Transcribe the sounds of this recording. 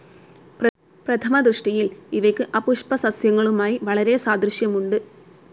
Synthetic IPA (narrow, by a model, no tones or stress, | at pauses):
p | prɐt̪ʰɐmɐd̪rɨʂʈijiliʋɐjkʲːɨʔɐpuʂpɐsɐsjɐŋːɐɭumaːjiʋɐɭɐɾe̞saːd̪rɨɕjɐmuɳɖɨ